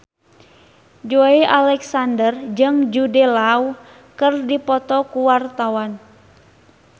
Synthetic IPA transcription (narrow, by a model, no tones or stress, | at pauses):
d͡ʒoeʔalɛksandərd͡ʒɨŋd͡ʒudɛlau | kɨrdipɔt̪ɔkuwart̪awan